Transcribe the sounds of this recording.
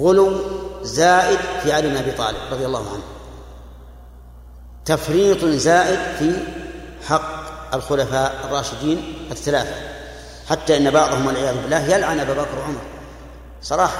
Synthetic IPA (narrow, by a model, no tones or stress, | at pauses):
ɣʊlʊwzaːʔɪd̪fiʕaliːbnʔabiːt̪ˤɑ̰ːlɪbɾˤɑðˤjalːɑːhʊʕa̰nhʊm | t̪afɾiːt̪ˤzaːʔɪd̪fi | ħɑqːalxʊlafaːʔɑrˤːɑːʃɪd̪iːnʔaθːalaːθa | ħat̪ːaʔɪnːabɑʕðˤhʊmwalʕɪjaːðʊbɪlːaːhjalʕanʔababakɾwaʕʊmɾˤ | sˤɑɾˤɑːħɑ